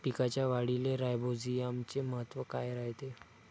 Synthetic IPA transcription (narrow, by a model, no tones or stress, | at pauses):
pikat͡ɕjaʋaɽileɾajbʱod͡ziːamt͡ɕeməɦət̪ːʋəkajɾaɦt̪e